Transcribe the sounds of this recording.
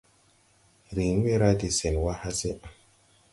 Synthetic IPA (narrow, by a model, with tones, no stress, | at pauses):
ɾi˨n˦we˦ɾa˦di˨se˨n˨wa˦ha˦se˦